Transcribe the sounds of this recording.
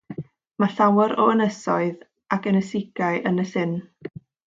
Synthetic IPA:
maɬawəɾɔənəsɔɨð | akənəsɪɡ̥aɨʔənəsɪn

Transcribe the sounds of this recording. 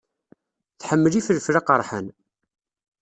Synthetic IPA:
θħəmːəlifəlflaqəɾˤħə̰n

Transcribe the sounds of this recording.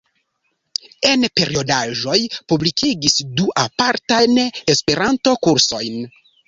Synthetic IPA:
e̞npe̞ɾio̞daʒo̞jpublikʰiɡisduʔapaɾtajnespe̞ɾanto̞kuɾso̞jn

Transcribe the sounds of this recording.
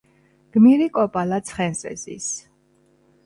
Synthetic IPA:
ɡ̥miɾikʼɔpʼalat̪sʰχɛnsʼɛ̰zḭs

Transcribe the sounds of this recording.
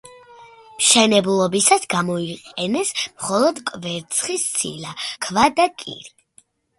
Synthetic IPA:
mʃɛnɛblˠɔbisasɡamɔiqʼɛnɛsmχɔlˠɔd̪kʼvɛɾt̪sʰχist̪sʰḭlakʰvad̪akʼḭɾi

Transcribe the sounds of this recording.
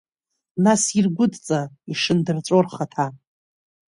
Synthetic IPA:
nasirɡʷʊdt͡sʼa | iʂɨndɨrt͡sʷʼorχatʰa

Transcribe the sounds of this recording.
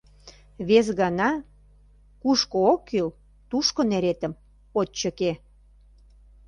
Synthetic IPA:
βes̬ɣɑnɑ | kuʃkookːil | t̪uʃkoneɾet̪ə̆m | oːə̆ke

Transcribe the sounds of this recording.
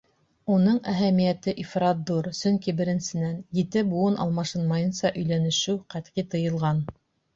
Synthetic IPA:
unɤɴæɦæmijæt̪ɘʔifrɑt̪̚d̪uɾsɵŋkibɘ̆ɾɘ̆nsɘ̆nænjɘ̆t̪ɘbuɤnʔɑ̰lˠmɑʃɤnmɑjɤ̆nsɑʔɵ̆jlænɘ̆ʃɘwqæt̪qit̪ɤ̆jɤ̆lˠʁɑn

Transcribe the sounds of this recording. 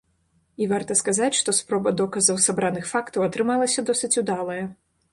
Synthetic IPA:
ivart̪ɐskazat͡sʲʂt̪ɔspɾɔbɐd̪ɔkɐzɐwsabɾanɨxfakt̪ɐwɐt̪ɾɨmalˠɐsʲɐd̪ɔsɨt͡sʲud̪alˠɐjɐ

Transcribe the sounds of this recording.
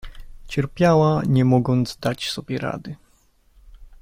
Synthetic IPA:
t͡ɕɛɾpʲjawaɲɛmɔɡɔnd̪zd̪at͡ɕsɔbʲjɛɾa̰d̪ɘ

